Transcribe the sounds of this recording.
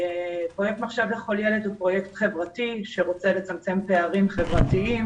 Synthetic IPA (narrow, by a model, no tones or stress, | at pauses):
pʁojek̚t̪maχʃavleχo̞ljeledupʁo̞jekt̪χe̞vʁatiʃe̞ʁo̞t͡selet͡samt͡se̞mpeaʁimχe̞vʁatiim